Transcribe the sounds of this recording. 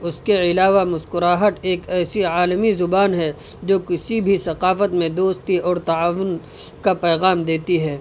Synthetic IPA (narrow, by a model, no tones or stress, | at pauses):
ʊskeɪlaːʋamʊskʊɾaːɦət̪eːkɛːsiaːlmizʊbaːnɦɛ | d͡ʒoːkɪsibʱisɐqaːfət̪mẽd̪oːst̪iɔːɾt̪ɐaːʋʊn | kapɛːɣaːmd̪eːt̪iɦɛː